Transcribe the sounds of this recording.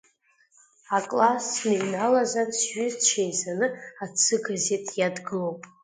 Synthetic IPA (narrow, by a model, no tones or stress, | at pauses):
akʼlasnejnalazansɥɪzt͡ʃʰejzanɨat͡sʰɨɡaze̞tʼjadɡɨlowpʼ